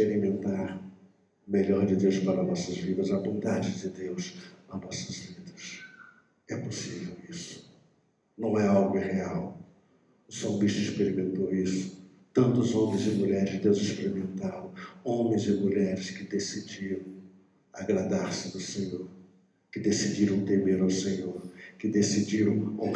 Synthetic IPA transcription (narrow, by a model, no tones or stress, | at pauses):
ʃpeɾimẽnt̪aɾ | ʊmeʎɔɾd͡ʒɪd̪ewspaɾɐnɔsɐzvid̪ɐzɐbõnd̪ad͡ʒɪd͡ʒɪd̪ewsnɐnɔsɐzvid̪ɐs | ɛposivewisʊ̥ | nɐ̃w̃ɛawɡʊĩheaw | ʊsõbiʃt̪ʊispeɾimẽnt̪owisʊ̥ | t̪ɐ̃nt̪ʊzõmẽj̃zɪmuʎɛɾɪzd̪ewzɪspeɾimẽnt̪aɾɐ̃w̃õmẽj̃zɪmuʎɛɾɪskɪd̪esid͡ʒiɾɐ̃w̃ | aɡɾad̪aɾsɪd̪ʊsẽɲoɾ | kɪd̪esid͡ʒiɾɐ̃w̃t̪emeɾawsẽɲoɾkɪd̪esid͡ʒiɾɐ̃w̃o